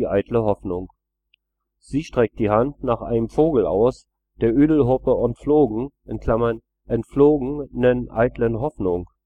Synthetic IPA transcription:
ʔaɪtləhɔfnʊŋ | z̥iːʃtʁ̥ɛk̚t̚d̥iːhantnaːχʔa̰ɪnəmfoːɡl̩ʔa̰ʊs | d̥eːɐʔyːdl̩ɦʊpəʔʊntfloːɡŋ̩ʔɪnkʰl̥amɐn | ʔɛntfloːɡnənʔa̰ɪtlənɦɔfnʊŋ

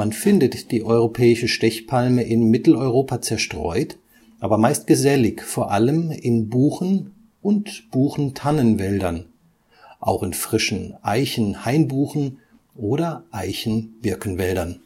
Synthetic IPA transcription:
manfɪndətd̥iːʔɔʏʁ̞opʰɛːɪʃəʃtɛçpʰalməʔɪnmɪtl̩ɔʏʁoːpʰat͡sɛɐʃtʁ̥ɔ̰ʏt | ʔaːbɐmaɪstɡ̥əzɛlɪçfoːɐʔaləmɪnbuːxn̩ | ʔʊntb̥uːxn̩tʰanənvɛldɐn | ʔa̰ʊxɪnfʁ̥ɪʃn̩ʔaɪçn̩haɪnbuːxn̩ | ʔoːɾɐʔaɪçn̩v̥ɪɐkn̩vɛldɐn

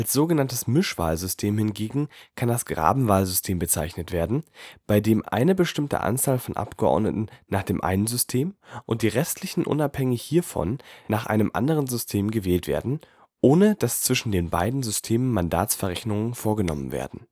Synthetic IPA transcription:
ʔalsz̥oːɡənantəsmʏʃv̥a̰ːlzʏstʰeːmhɪnɡeːɡŋ̩kʰandasɡ̥ʁa̰ːbm̩vaːlzʏstʰeːmbət͡saɪçnətv̥eːɐdn̩b̥aɪdeːmʔa̰ɪnəbəʃtɪmtə̰ʔa̰nt͡saːlfɔnʔa̰pɡ̥əʔɔ̰ɐdnə̰tn̩naːχd̥eːmʔa̰ɪnənzʏstʰeːmʔʊnt̚d̥iːʁɛstʰlɪçn̩ʔʊ̰naphɛŋɪçhiːɐfɔ̰nnaːχʔa̰ɪnəmʔa̰ndəʁənzʏstʰeːmɡəvɛːltv̥ḛːɐdn̩ | ʔoːnəd̥ast͡sv̥ɪʃn̩deːnba̰ɪdn̩zʏstʰeːmənmanda̰ːtt͡sfɛɐʁɛçnʊŋənfoːɐɡənɔ̰mənvḛːɐdn̩

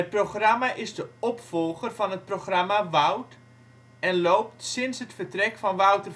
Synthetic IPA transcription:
ət̚proχramaʔɪzdəɔpfɔlˠɣərvɑnɦət̚proχramaʋʌwt | ɛnlowp̚tsɪnsɦətfərtrɛkfɑnʋʌwtər

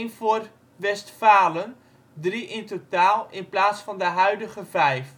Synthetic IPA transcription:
nfor | ʋɛstfaːlən | driʔɪntotaːlˠɪnplaːsfɑndəɦœɥdəɣəvɛjf

